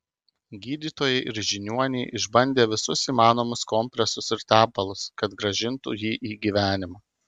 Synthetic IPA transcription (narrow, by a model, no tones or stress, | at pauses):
ɡʲiːd̪ʲiːt̪oːjɛɪʔɪɾʒʲɪnʲuɔnʲɛːʔɪʒbɐnʲd̪ʲeːʋʲɪsʊsiːmɑːnoːmʊskɔmʲpʲɾʲɛsʊsɪɾt̪ʲæːbɐlˠʊskɐt̪ɡɾɐʒʲɪnt̪ṵjiːʔiːɡʲiːʋʲæːnʲɪmɑː